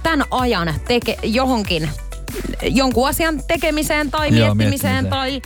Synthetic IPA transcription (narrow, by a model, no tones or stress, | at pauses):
t̪ænʔɑjɑnt̪ekejohoŋkin | joŋkuɑsiɑnt̪ekemiseːnt̪ɑimiet̪ːimiseːnt̪ɑi